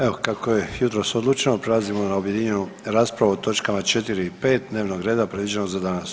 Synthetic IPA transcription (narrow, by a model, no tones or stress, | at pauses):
eokakoje̞jut̪ɾo̞so̞d̪lˠuːt͡ʃenopɾe̞lˠazimo̞naubje̞d̪iɲe̞nu | ɾaːspɾaʋuot̪o̞t͡ʃkamat͡ʃe̞t̪iɾiipe̞ːt̪̚d̪ne̞ːʋno̞ɡɾeːd̪apɾe̞d̪ʋid͡ʒenoɡzad̪anas